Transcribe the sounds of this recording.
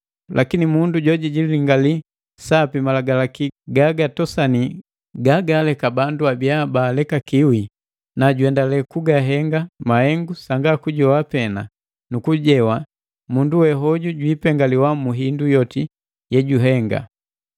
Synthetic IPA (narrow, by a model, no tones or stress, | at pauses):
lʔakinimunduɟɔɟiɟililiŋɡali | sapimalaɡalakiɡaɡatɔsani | ɡaɡalɛkabanduabiabaːlɛkakiwi | naɟwɛndalɛkuɡaɦɛŋɡamahɛŋɡusaŋɡakuɟɔwapɛna̰ | nukuɟɛwa | munduwɛɦɔɟuɟwiːpɛŋɡaliwamuɦindujɔti | jɛɟuɦɛŋɡa̰